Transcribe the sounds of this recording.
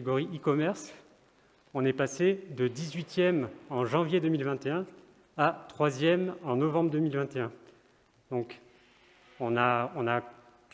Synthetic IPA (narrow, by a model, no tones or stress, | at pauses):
eɡɔʁiʔikɔmɛʁs | ɔ̃nɛpased̪əd̪izɥit̪jɛmɑ̃ʒɑ̃vjed̪əmilvɛ̃t̪eɛ̃ | at̪χwazjɛmɑ̃nɔvɑ̃bʁəd̪əmilvɛ̃t̪eɛ̃ | d̪ɔ̃k | ɔ̃naɔ̃na